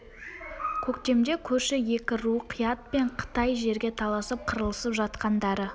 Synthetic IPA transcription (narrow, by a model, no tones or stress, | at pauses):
kʲʰɵkt̪e̞md̪e̞kʲʰɵɾʃɪje̞kʲɪɾuqʰijɑt̪̚pe̞ɴqʰə̥t̪ɑjʒe̞ɾɡʲe̞t̪ʰɑlˠɑsəp̚qʰəɾəlˠəsəpʒɑt̪qɑnd̪ɑɾə